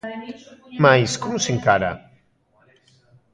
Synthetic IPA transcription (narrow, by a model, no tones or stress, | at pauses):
majskɔmuseŋkaɾa̰